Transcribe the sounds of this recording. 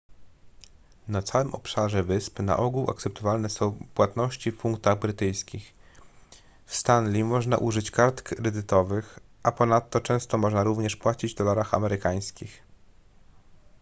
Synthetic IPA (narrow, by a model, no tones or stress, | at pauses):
nat̪sawɘmʔɔpʂaʐɛvɘspna̰ʔɔɡuwa̰k̚t̪sɛp̚t̪ɔvalnɛsɔ̃w̃pwat̪nɔɕt͡ɕifpuŋk̚t̪aɣbɾɘt̪ɘjskʲix | fst̪anlʲimɔʐna̰ʔuʐɘt͡ɕkaɾt̪kɾɛd̪ɘt̪ɔvɘx | ʔapɔnat̪ːɔt͡ʂɛ̃w̃st̪ɔmɔʐnaɾuvɲɛʂpwat͡ɕid͡ʑd̪ɔlaɾaxa̰mɛɾɘkaj̃skʲix